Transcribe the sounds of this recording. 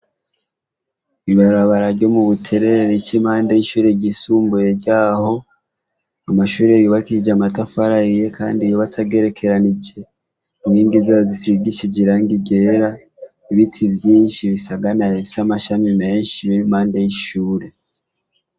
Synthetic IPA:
iβaɾaβaɾaɾɟo̞muβutʰe̞ɾeɾit͡ʃimhaːndajiʃuːɾe̞ɟisuːmbuje̞ɾɟaːho̞ | amaʃuːɾejuβakiid͡ʒamatafaɾaije̞kʰa̰ːndijoβatʰaɡe̞ɾe̞kʰe̞ɾanid͡ʒe̞ | imɡiːŋɡizazisiɡiʃid͡ʒiɾaŋɡiɡe̞ːɾa | iβitʰivjiːnʃiβisaɡanajeβsamaʃamime̞ːɲʃiβiɾimhaːndajiʃuːɾe̞

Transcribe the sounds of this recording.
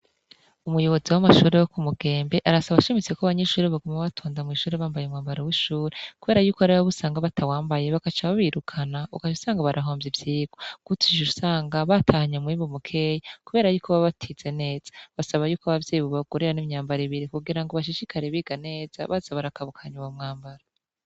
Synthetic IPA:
umujo̞βo̞ziwamaʃuːɾejokumuɡe̞ːmbe̞ʔaɾasaβaʃimit͡sekoaβaɲeʃuːɾeβaɡomaβatʰoːndamŋiːʃuːɾeβaːmbajemŋaːmbaɾewiʃuːɾekuβe̞ːɾajuːkoaɾaβaβusaːŋɡaβatʰawaːmbajeβakat͡ʃaβaβiɾukʰanaukaʃusaːŋɡaβaɾaɦoːmjivjiːɡ̥oɡ̥utʰiʒusaːŋɡaβatʰahaɲamŋiːβomukʰe̞ːjakuβe̞ːɾajuːkoβaβatʰiz̥e̞ne̞ːz̥ḁβasaβajuːkaβavjeːβoβaɡoɾeɾanimɲaːmbaɾiβiɾikuɡiɾaŋɡoβaʃ̬iʃikʰaɾeβiɡane̞ːz̥a̰βazaβaɾakaβukʰaɲuwamŋaːmbaɾa

